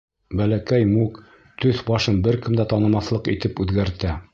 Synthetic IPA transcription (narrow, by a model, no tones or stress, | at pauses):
bælækæjmuk | t̪ɵθbɑʃɤnbɘɾkɘ̆md̪æt̪ɑnɤ̆mɑθlˠɤqit̪ɘpʉðɡæɾt̪æ